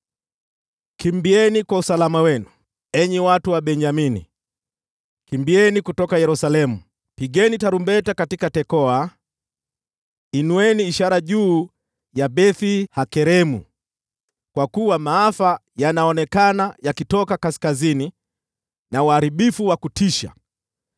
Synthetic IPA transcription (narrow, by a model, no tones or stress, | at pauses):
kimbiɛnikwausalamawɛnu | ɛɲɛwatuwaɓɛɲd͡ʒaminḭ | kimbiɛnikutɔkajɛɾusalɛmu | piɠɛnitaɾumbɛtakatikatɛkɔa | inuɛniːʃaɾaʄuː | jaɓɛθihakɛɾɛmṵ | kwakuwamaafajanaɔnɛkanajakitɔkakaskazini | nauaɾiɓifuwakutiʃa̰